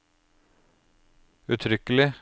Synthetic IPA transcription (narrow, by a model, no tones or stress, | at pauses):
ʉt̪ʰɾʏkəlɪ